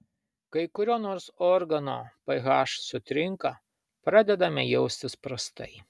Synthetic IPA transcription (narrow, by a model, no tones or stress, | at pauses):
kɐɪkʊɾʲoːnoːɾsɔɾɡɐno̰ːpɐɣɑːʃsʊt̪ʲɾʲɪŋkɐ | pɾɑːd̪ʲɛd̪ɐmʲɛjɛʊsʲt̪ʲɪspɾɐst̪ɐ̰ɪ